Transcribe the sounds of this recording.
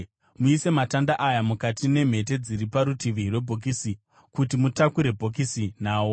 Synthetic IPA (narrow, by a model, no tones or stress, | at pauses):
muise̞matandaʔajamukatine̞m̤e̞t̬e̞d͡ziɾipaɾutiʋirwe̞bʱo̞k̬isi | kutimutakuɾe̞bʱo̞k̬isin̤aːwo